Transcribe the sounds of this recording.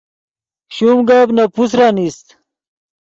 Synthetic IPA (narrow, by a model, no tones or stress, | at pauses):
ɕumɡabnɐpusɾaːnist̪